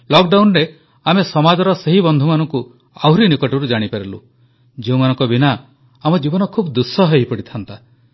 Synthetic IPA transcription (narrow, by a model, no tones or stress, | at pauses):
lɔk̚ɖawnɾe | amesɔmad͡ʒɔɾɔseɦibɔnd̪ʱumanɔŋku | a̰wɾinikɔʈiɾud͡ʒaɽ̃ipeɾilṵ | d͡ʒeũmanɔŋkɔbinaː | mɔd͡ʒibɔnɔkʰubd̪usɔɦejpɔɽit̪ʰant̪a